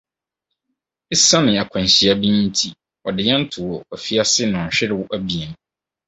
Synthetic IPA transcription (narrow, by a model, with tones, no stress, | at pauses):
ɪ˦sã˦nɪ̃˨a˨kʷʰã˨n˨ɕi˨a˦bĩ˦n˦n̩˦tʰi˦ | ɔ˨dɪ˨ɲã˦n̩˦tʰʊ˨wɔ˨ɔ˨fi˦a˦sɪ˦nʊ̃˨ɕᶣɪ˦ɾɪ˦wʊ˦ʔæ˦bi˨ɛ˨n˨